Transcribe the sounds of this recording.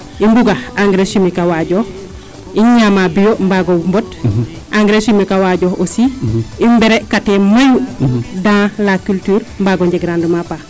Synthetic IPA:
imbuɡaaŋɡɾesimikawaɟo | iɲamabijombaɡombot | ʔaŋɡɾesimikawaɟoosiimbeɾekatemajudãlakyltyːɾmbaɡoɲd͡ʒeɡɾãndumapa

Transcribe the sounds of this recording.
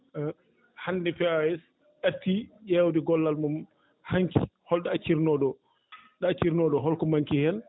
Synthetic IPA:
handɛpɛaɛs | ʔatːijɛwdiɡɔlːalmum | haŋkḭhɔlɗaat͡ʃiɾnɔɗɔ | ɗat͡ʃiɾnɔɗɔɦɔlkɔmaŋkihɛn

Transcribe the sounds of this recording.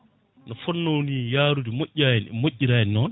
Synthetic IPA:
nɔfɔnːownijaːɾudimoʔːamoʔːiɾajɛnːɔn

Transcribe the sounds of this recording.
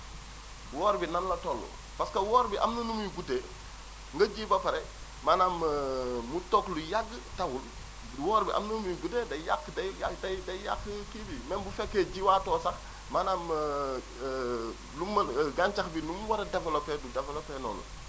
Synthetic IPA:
wɔːɾbinɐnlɐtɔlːṵ | paskɐwɔɾbiʔɐ̰mnɐnumujuɡuteː | ŋɡɐɟiːbɐpɐɾɛ | manammutɔklujaɡtɐwul | wɔːɾbiʔa̰mnɐnmujuɡutedɐjakːdɐadɐdɐjakːkibimɛnbufɛkːeɟiwaːtɔːsɐx | manam | lumːɐɡant͡ʃɐxbinumwɐɾɛdɛfɐlopɛdudɛfɛlopenɔ̰ːnɐ̰

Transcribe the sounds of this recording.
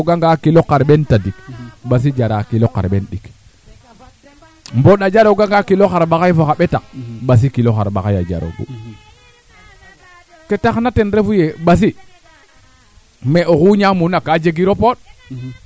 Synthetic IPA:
ɡaŋɡakilokaɾɓentadikɓas̬id͡ʒaɾakiloka̰ɾɓenɗik | mboɗad͡ʒaɾoɡaŋɡakiloxaɾɓaxajfoxaɓetak̚ɓas̬ikiloxa̰ɾɓakaja̰d͡ʒa̰ɾo̰ɡṵ | ketaxnatenɾefujeɓas̬i | meʔokuɲamunakad͡ʒeɡiɾopoɗ̚

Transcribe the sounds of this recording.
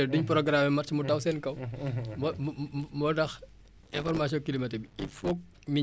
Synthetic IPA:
ɛduɲpɾɔɡɾaːmɛmɐrcimutɐwsɛnkɐwmɔmmɔdɐx | ɛ̃fɔrmasjɔ̃ŋkilimɐtɛbifɔk̚ | mi

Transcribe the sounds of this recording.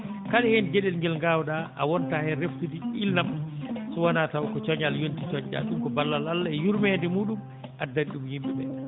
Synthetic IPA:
kalɛhɛnd͡ʒɛɗɛlŋɡɛlŋɡaːwɗaʔa̰wɔntahɛɾeftudiilːamsɔwanatawkɔt͡ʃɔɲaljontit͡ʃɔɲd͡ʒa̰ɗumkɔbalːalalːaɛjuɾmɛndɛmuːɗum | ʔadːaɗumhimɓɛɓɛ

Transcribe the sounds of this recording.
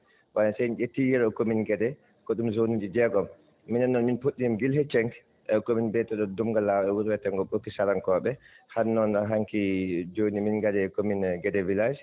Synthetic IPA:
wanasɛjnʔetːijɛɾɔkominɡɛdɛ | kɔɗumzonid͡ʒid͡ʒɛɡɔmː | inɛnːɔnminpoɗːinimɡilhɛt͡ʃɛŋk | ɛkominbɛtɛɗɔdumɡalːawɛwuɾwɛtɛŋɡɔɓokːisaɾaŋkɔɓɛ | hanːɔnaɦaŋkid͡ʒoːniminɡadɛkominɡɛdɛvilas

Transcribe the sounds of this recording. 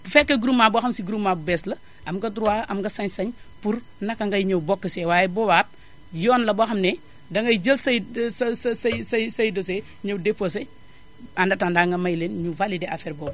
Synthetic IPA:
bufɛkːɐɡuɾumːabuxɐmsiɡuɾumːabubɛslɐ | ʔɐmɡɐdɾuwaːʔɐmɡɐsɐɲsɐɲ | puɾ | nɐkːɐŋɡɐjɲɐwbɔkːɐsewaːjɛbɔwaːt̚ | jɔːnlɐbaxɐmnɛ | dɐŋɡɐjd͡ʒəlsɐjsssɐjsɐjsɐjdose | ɲɐwdepːosɐ | andɐtandaːŋɡɐmɐjlenɲuvalideafɛːɾbɔːb

